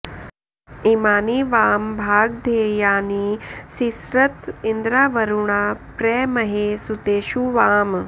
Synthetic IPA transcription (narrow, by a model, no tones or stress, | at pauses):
imaːniːʋaːmbʱaːɡ̚d̪ʱeːjaːniːsisɾɐt̪ind̪ɾaːʋɐɾuɳaːpɾɛːmɐɦesut̪eːʃuʋaːm